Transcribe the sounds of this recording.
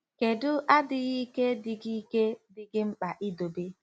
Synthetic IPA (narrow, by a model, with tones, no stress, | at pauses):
ke˨dʊ˦ʔa˦dɪ˨ɣi˦ke˦dɪ˨ɡi˦ke˦dɪ˨ɡɪ˦ŋ͡m̩˦k͡pa˨ʔi˦do˨be˦